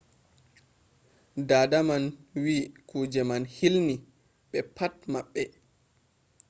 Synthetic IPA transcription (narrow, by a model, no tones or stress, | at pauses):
daːdamanwiːkʰuːd͡ʒɛmanhilni | ɓɛpatmaɓːɛ